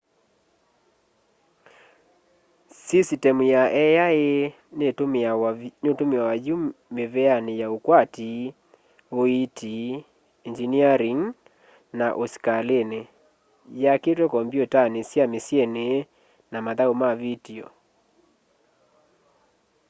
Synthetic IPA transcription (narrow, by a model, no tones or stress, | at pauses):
sisitɛmujaʔɛjae | neomneotomeawaumeβɛanejaokwati | oitʰi | ind͡ʒiniaɾiŋ | naʔoskalene | jaketwɛkɔmbjotanesjamesjɛne | namaðaomavitiɔ̰